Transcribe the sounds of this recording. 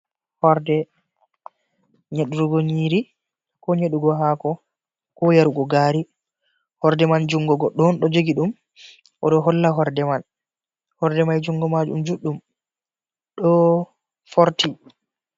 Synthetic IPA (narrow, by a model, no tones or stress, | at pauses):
hɔɾdɛ | ɲeɗuɾuɡoɲiɾi | kɔɲeɗuɡɔɦakɔ | kɔjaɾuɡɔɡaːɾi | hɔɾdɛmand͡ʒuŋɡɔɡɔɗɔnɗɔd͡ʒoɡiɗum | ʔɔɗɔɦɔlːaɦɔɾdɛman | hɔɾdɛmajd͡ʒuŋɡɔmad͡ʒṵmd͡ʒuɗːum | ɗɔ | foɾti